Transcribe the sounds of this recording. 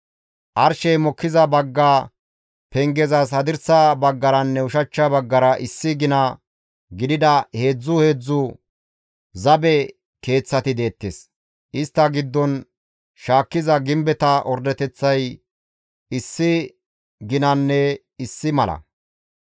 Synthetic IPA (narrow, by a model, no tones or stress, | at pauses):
ʔɐɾʃɛjmɔkːɪzɐbɐɡːaː | pɛŋɡɛzɐs̬hɐd̪ɪɾsɐbɐɡːɐɾɐnːɛʊʃɐt͡ʃːɐbɐɡːɐɾɐʔɪsːɪɡɪnɐ | ɡɪd̪ɪd̪ɐhe̞ːd͡zːʊhe̞ːd͡zːʊ | zɐbɛ | ke̞ːt͡sːɐt̪ɪd̪e̞ːt̪ːes | ʔɪst̪ːɐɡɪd̪ːɔn | ʃaːkːɪzɐɡɪmbɛt̪ɐʔɔɾd̪ɛt̪ɛt͡sːɐj | ɪsːɪ | ɡɪnɐnːɛ | ɪsːɪmɐlɐ̰